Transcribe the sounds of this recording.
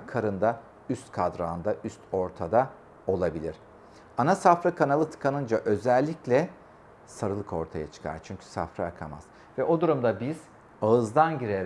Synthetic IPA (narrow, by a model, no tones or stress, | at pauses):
kʰaɾɯnd̪a | yst̪kʰad̪ɾaːnd̪aʔyst̪ʰo̞ɾt̪ʰad̪a | o̞lˠabilʲiɾ̥ | anasafɾakʰanalˠɯt̪ʰɯ̥kʰanɯnd͡ʒaʔø̞zælʲːiclʲɛ | saɾɯlˠɯkʰo̞ɾt̪ʰajat͡ʃʰɯ̥kʰa̰ɾt͡ʃʰyɲcʰy̥sa̰fɾajakʰa̰ma̰z̥ | vɛʔo̞d̪uɾumd̪abiz̥ | aɯzd̪anɟiɾeɾ